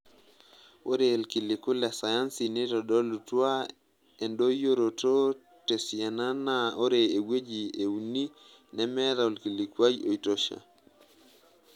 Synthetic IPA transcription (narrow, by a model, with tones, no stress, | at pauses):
ʔo˦ɾe˨lki˨li˨kʊ˦lɛ˨sa˨ja˦nsi˨nɪ˦tɔ˨dɔ˦lu˨twa˦ | e˨ndo˦jo˦ɾo˨to˦ | te˨sja˨na˦na˦o˦ɾeː˨we˦d͡ʒi˨e˨u˨ni˦ | nɛ˦mɛ˦ɾa˨o˨lki˨li˨kwa˦jo˨i˨to˦ʃa̰˨